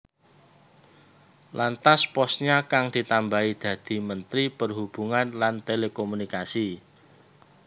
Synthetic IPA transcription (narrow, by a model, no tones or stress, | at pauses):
lant̪aspɔsɲakaŋd̪̥i̤t̪ambaid̪̥ä̤d̪̥i̤mənt̪ɾipərɦub̥ṳŋanlant̪elekomunikasi